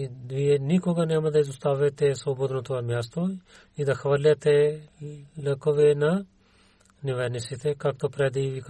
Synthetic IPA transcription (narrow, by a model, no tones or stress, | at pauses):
vijɛnikɔɡanɛmad̪aizɔst̪avɛt̪ɛsɔbɔd̪not̪oamjast̪o | id̪axvaɾlʲat̪ɛ | lɛkɔvɛna | nivɛnisit̪ɛkakt̪opɾɛd̪iivik